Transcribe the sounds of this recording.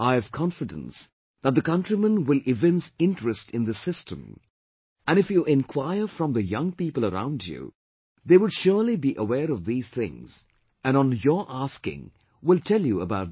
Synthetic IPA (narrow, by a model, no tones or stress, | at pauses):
aɪɨv̥kʰɑ̃nfɨdə̰̃ns | ðət̚ðɨkʌ̃ntɹ̥imə̃nwɪlɪvɛ̃nsɪ̃ntɹ̥ɨstɨ̃nðɨsɪstʰə̰̃m | ʔɨ̃ñɨfjuʔɪ̃nkʰw̥aɪə˞fɹʌ̃mðəjʌ̃ŋpipəlˠəɾã̰ʊ̃ndjṵ | ðeɪwʊdʃʊɹlibiʔəwɛːɾʌvðiːz̥θɪ̰̃ŋz̥ | ɨ̃nə̃njə˞ʔaskɪ̰̃ŋ | wɪlˠtʰɛlˠjuəbaʊt̚